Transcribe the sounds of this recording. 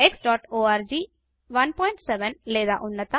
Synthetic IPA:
eksɖɔːʈoːaːɾd͡ʒiː | ʋɐnpɔːɪɳʈsɛʋənleːd̪a̰ːʔʊnːɐt̪a

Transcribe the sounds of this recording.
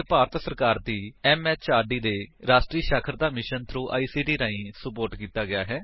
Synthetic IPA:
paːɾət̪səɾkaːɾd̪iːɛːmɛːt͡ʃaːɾɖiːd̪eːɾaːʃʈɾiːʃaːkʰəɾd̪aːmɪʃənt̪ʰɾuːʔa̰ːiːsiːɖiːɾaːĩːsəpoːɾʈkiːt̪aːɡɪjaːɦɛː

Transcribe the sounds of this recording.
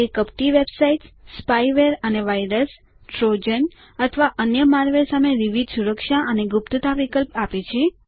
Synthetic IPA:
ekəp̚ʈiʋebsaiʈspajʋeɾəneʋajɾəs | ʈɾod͡ʒən | ət̪ʰəʋaʔənjəmaɾʋesameʋiʋid̪suɾəkʃaʔəneɡup̚t̪ət̪aʋikəlpapet͡ʃʰe

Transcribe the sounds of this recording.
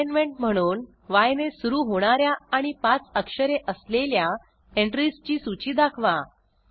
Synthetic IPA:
nmeɳʈm̤əɽ̃uːn | ʋajnesuɾuːɦoɽ̃aɾjaːɽ̃ipat͡səkʂəɾeʔəslelja | eɳʈɾist͡ɕiːsut͡ɕiːd̪akʰʋa

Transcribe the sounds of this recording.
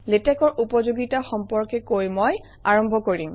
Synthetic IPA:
letɛkɔɹʔupɔzoɡitaxɔmpɔɹkɛkojmɔj | aɹɔmbʱɔkoɹim

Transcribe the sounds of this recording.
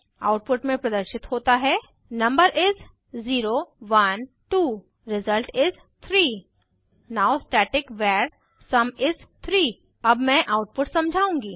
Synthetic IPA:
a̰ːʊʈ̚pʊʈmẽpɾɐd̪əɾʃɪt̪hoːt̪aɦɛː | nɐ̃mbəɾʔɪs | ziːɾoʋɐn | ʈuː | ɾɪzəlʈɪz | t̪ʰɾiː | naːosʈɛːʈɪkʋɛːɾ | sɐmɪst̪ʰɾiː | ɐbmɛ̃ʔaːʊʈ̚pʊʈsɐ̃md͡ʒʱaːũːŋɡiː

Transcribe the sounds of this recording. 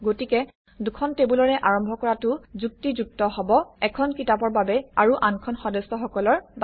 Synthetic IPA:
ɡotikɛ | dukʰɔntebulɔɹɛʔaɹɔmbʱɔkɔɹatʊzuk̚tizuk̚tɔɦɔbɔɛkʰɔnkitapɔɹbabɛaɹuʔankʰɔnxɔdɛsɔxɔkɔlɔɹb

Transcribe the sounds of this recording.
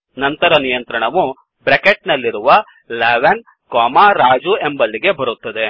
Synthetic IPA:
nɐnt̪ɐɾɐnijɐnt̪ɾɐɳɐʋu | bɾekeʈnɐlːiɾuʋɐ | leːʋen | kɔːmaɾaːd͡ʒue̞mbɐlːiɡe̞bɐɾut̪ːɐd̪e̞

